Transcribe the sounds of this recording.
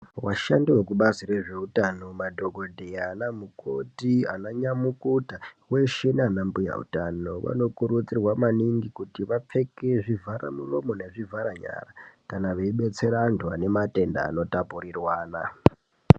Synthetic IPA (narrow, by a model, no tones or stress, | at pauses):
waʃandiwekuɓazire̞ʐe̞utano̞madʱo̞ɡo̞dʱeaːnamukʰotia̰naɲamukutawe̞ʃe̞neanambuja̰ṵtano̞ʋa̰no̞kuɾut͡sirwamaniŋɡikutiʋap͡fe̞ke̞ʐivʱaɾa̰muro̞mo̞neʐivʱaɾaɲa̰rakanaʋeiɓet͡se̞ɾandwane̞mate̞nda̰ːno̞tapurirwaːna